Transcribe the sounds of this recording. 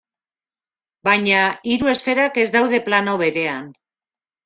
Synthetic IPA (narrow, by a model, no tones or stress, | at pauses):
bajɲaiɾue̞sfe̞ɾake̞zd̪awðe̞planoβe̞ɾe̞an